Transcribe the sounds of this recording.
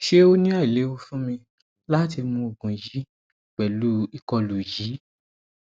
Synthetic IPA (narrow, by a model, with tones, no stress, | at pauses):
ʃe˦o˦nĩ˦a˦˨i˨le˨˦o˧fũ˦mĩ˧ | la˦ti˧mũ˧o˨ɡũ˨ji˨˦ | k͡pɛ˨lu˨˦i˧kɔ˧lu˨ji˨˦